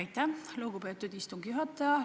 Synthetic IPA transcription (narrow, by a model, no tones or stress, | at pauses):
jt̪ːæloɡ̥upe̞ːt̪ːˑud̪ist̪uŋɡ̥juɦɑt̪ːˑɑjɑ